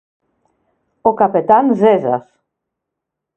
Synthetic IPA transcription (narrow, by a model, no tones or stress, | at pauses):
okapet̪anzeza̰s